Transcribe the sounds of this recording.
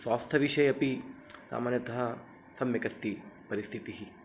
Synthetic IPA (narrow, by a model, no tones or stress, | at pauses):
saːst̪ʰɐʋiʃɐjɐpisa̰ːmaːnjɐt̪ɐɦɐ | sɐmjɐkɐst̪ipɐɾist̪ʰit̪iɦi